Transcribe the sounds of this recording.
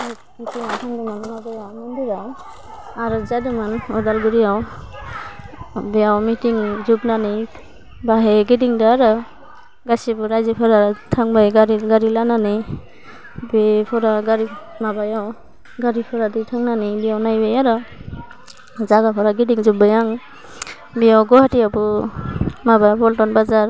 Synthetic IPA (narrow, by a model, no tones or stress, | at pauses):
mitʰiŋatʰaŋdɔmanmabajawmɔndiɾaw | aɾɔzadɯmanɔdalɡɯɾijaw | bɛawmitiŋzubnanij | baɦeɡidiŋdaːɾɔ | ɡasibɔɾajzepʰɔɾatʰaŋbajɡaɾiɡaɾilanani | bepʰɔɾaɡaɾimabajaw | ɡaɾipʰɔɾadijtʰaŋnanijbijawnajbajaɾɔ | zaɡapʰɔɾaɡidiŋzub̚ajaŋ | bijawɡɔhatijapɔ | mabapɔltɔnbazaɾ